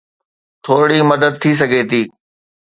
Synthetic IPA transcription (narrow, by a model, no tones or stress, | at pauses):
t̪ʰoːɽimɐd̪əd̪̚t̪ʰis̬ɐɡʱet̪ʰiː